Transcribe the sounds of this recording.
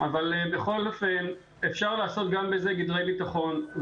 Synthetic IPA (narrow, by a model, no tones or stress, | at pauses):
avalebeχo̞lo̞fe̞n | efʃaʁlaːso̞t̪̚ɡambeze̞ɡid̪le̞jbit̪aχo̞n